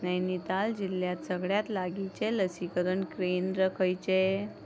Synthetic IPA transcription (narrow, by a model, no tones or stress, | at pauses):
najnit̪ald͡ʑilːjat̪səɡɭjat̪laɡit͡ɕeləsikəɾəɳkɾend̪ɾəkʰəjt͡ɕe